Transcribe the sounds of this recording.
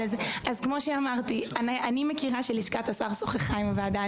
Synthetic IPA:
ezeʔazkmo̞ʃeamaʁt̪iananimekiʁaʃeliʃkat̪asaʁsoχeχajmvead̪a

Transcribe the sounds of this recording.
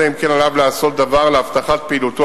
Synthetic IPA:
eimkenalavlaaso̞t̪̚d̪avaʁleaft̪aχat̪̚peiːlut̪o

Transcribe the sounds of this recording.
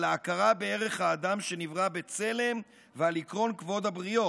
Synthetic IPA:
laːkaʁabee̞ʁe̞χhaːd̪amʃe̞nivʁabe̞t͡se̞le̞m | vealikʁo̞nkvo̞d̪habʁio̞

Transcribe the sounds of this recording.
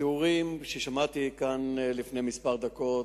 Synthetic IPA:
euʁimʃeʃamat̪ikanlifnejmispaʁd̪ako̞

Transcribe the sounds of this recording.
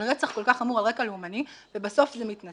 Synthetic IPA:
ʁet͡saχko̞lkaχamuʁalʁekaleumanivebaso̞fzemitna

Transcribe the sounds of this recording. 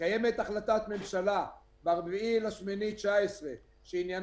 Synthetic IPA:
aje̞me̞t̪aχlat̪at̪me̞mʃala | baʁbiilaʃmenitt͡ʃaesʁe | ʃeinjan

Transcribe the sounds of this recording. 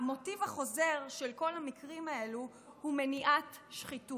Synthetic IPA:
amo̞tivaχo̞zeʁʃelko̞lamikʁimae̞lu | humeniʔat | ʃχitu

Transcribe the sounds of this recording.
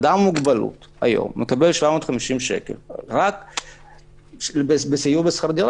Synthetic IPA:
d̪ammːuɡbalṵt̪ha̰jo̰mːekabelʃvamoːt̪χamiʃimʃḛkḛlʁak | bebesijuʁbesχaʁd̪iʁ

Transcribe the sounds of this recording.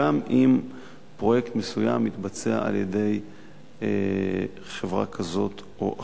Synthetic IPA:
amʔim | pʁo̞jekt̪mesujamːit̪bat͡sea̰a̰ljede̞j | χevʁa̰kʰazo̞t̪ | ʔoʔa

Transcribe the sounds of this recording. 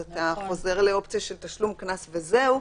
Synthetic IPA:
at̪aχo̞ze̞ʁle̞o̞pt͡sijaʃe̞lt̪aʃlumknasveze̞u

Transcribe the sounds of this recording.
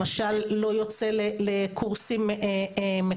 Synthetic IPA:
aʃalːo̞jo̞t͡selelekʰuʁsimeme

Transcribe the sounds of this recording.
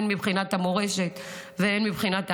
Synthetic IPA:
nmibχinat̪hamoʁeʃe̞t̪ | veenmibχinat̪a

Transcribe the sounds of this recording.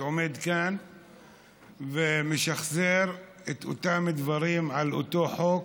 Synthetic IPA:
omed̪kan | vemeʃaχzeɾ | et̪o̰t̪amid̪vaɾimʕalʔo̰t̪oħok

